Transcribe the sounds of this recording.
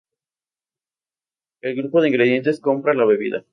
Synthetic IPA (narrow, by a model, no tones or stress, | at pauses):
e̞lɣɾupo̞ðeiŋɡɾe̞ðje̞nt̪e̞sko̞mpɾalaβe̞βḭða̰